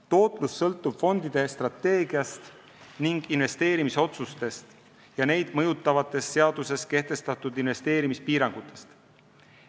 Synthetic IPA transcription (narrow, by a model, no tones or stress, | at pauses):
t̪o̞ːt̪ˑlusːɤlt̪ːˑub̥fo̞nd̪̥id̪̥e̞st̪rɑt̪ːe̞ːɡ̥iɑst̪ | niŋɡ̥inve̞st̪e̞ːɾimiso̞t̪sust̪e̞st̪ | jɑne̞jd̪̥mɤjut̪ːˑɑvɑt̪ːˑe̞sːe̞ɑd̪̥use̞ske̞ht̪e̞st̪ɑt̪ːˑud̪inve̞st̪e̞ːɾimispiːɾɑŋɡ̥ut̪ːˑe̞̥st̪